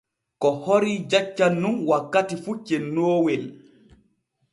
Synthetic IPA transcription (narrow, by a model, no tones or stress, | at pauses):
kɔhoɾid͡ʒat͡ʃːanːunwakːatifut͡ʃɛnːoːwɛl